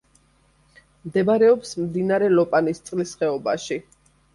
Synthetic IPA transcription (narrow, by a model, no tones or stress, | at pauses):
md̪ɛbaɾɛɔpsmd̪inaɾɛlɔpʼanist̪sʼlisχɛɔbaʃi